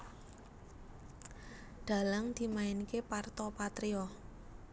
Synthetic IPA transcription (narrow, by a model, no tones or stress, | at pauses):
ɖ̪̥a̤ləŋd̪̥i̤maɪnikepart̪ɔpat̪ɾiɔ